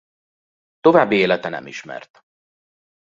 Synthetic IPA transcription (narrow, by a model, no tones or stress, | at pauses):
t̪o̞vaːbːieːlɛt̪ɛnɛ̰miʃmɛ̰rt̪